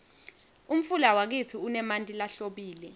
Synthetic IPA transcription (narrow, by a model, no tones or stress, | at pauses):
um̩fulawak̬itʰiunɛmantʼilaɬoɓiːlɛ